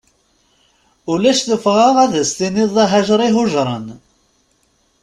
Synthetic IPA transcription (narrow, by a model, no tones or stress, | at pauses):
ʊlæʃθəfʁaʁæðəst̪iniðˤðˤæɦæʒɾˤiɦʊʒɾˤə̰n